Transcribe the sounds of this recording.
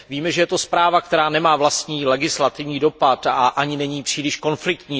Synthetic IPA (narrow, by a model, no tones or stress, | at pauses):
viːmɛʒɛjɛt̪o̞spɾaːvakt̪ɛɾaːnɛmaːvlast̪ɲiːlɛɡɪslat̪ɪvɲiːdo̞pat̪aʔaɲɪnɛɲiːpr̥iːlɪʃko̞nflɪk̚t̪ɲiː